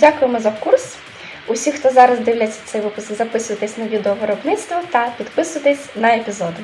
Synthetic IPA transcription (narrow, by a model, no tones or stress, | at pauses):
dʲakʊjemɔzɐkurs | ʊsʲixt̪ɔzɑɾɐzd̪ɪwlʲat͡sʲːɐ̥t̪sɛjʋɪpʊskɡzɐpɪsʊjɐt̪ɪsʲnɐʋʲid̪eɔʋɪɾɔbnɪt̪st̪ʋɔt̪ɐpʲid̪pɪsʊjɐt̪ɪsʲnɐepʲizɔd̪ɪ